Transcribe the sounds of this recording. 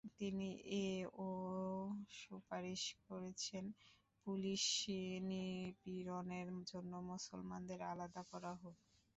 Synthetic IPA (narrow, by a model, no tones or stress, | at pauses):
t̪iniʔeo | ʃupaɾiʃkoɾet͡ɕʰen | puliʃinipiɾoneɾd͡ʑonːomusolmand̪eɾalad̪akɔɾaɦot